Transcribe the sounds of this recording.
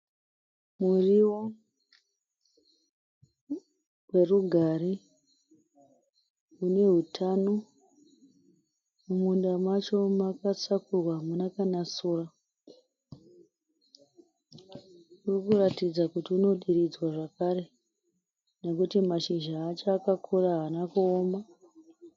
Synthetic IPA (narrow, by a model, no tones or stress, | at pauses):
muriwo | we̞ruɡʱaɾi | une̞ɦutʰano | mumundamat͡ʃo̞makat͡sakurwamunakanasuːra | urikuratid͡zakutiuno̞ɗirid͡zwaʐakaɾe̞ | ne̞kutimaʃiʒaːt͡ʃakakʰuraɦanakuoːma